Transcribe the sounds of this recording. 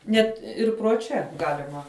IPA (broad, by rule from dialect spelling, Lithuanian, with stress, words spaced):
ˈnʲɛt ˈɪr proː ˈt͡ʃʲɛ ˈɡɑːlʲɪmɐ